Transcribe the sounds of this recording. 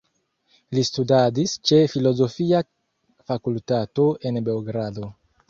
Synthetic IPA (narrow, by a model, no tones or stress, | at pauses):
listudadist͡ʃe̞filo̞zo̞fia | fakultato̞ʔe̞nbe̞oɡɾado̞